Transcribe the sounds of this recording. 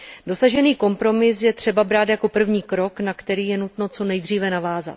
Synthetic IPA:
do̞saʒɛniːko̞mpɾo̞mɪsjɛt̪r̝̥ɛbabɾaːt̪jako̞pr̩vɲiːkɾo̞knakt̪ɛɾiːjɛnut̪no̞t͡so̞nɛjd̪r̝iːvɛnavaːza̰t̪

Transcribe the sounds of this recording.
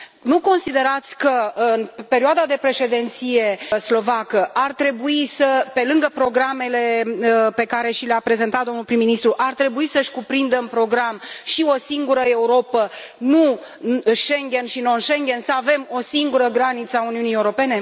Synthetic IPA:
nuko̞nsid̪e̞ɾat̪sʲkəɨɨnpe̞ɾioad̪ad̪e̞pɾe̞ʃe̞d̪ent̪sije̞slo̞vakəʔart̪ɾe̞buisəpe̞lɨŋɡəpɾo̞ɡɾame̞le̞pe̞kaɾe̞ʃileapɾe̞ze̞nt̪at̪d̪o̞mnulpɾimːinist̪ɾuʔart̪ɾe̞buisəʃʲkupɾind̪əmpɾo̞ɡɾamʃio̞siŋɡuɾəe̞uɾo̞pənu | ʃe̞ŋɡʲe̞nʃino̞nʃeŋɡʲe̞nsəave̞mo̞siŋɡuɾəɡɾanit̪səauniunijeuɾo̞pe̞ne̞

